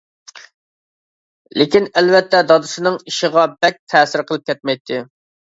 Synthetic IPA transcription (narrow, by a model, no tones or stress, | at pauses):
lɪkʲinɛlvɛt̪ʰːɛd̪ɑd̪uʃɨnɨŋiʃəʁɑbɛk̚ʲt̪ʰɛːsɪɾqəlˠɨp̚kʲɛt̪̚mɛjt̪ʰːɪ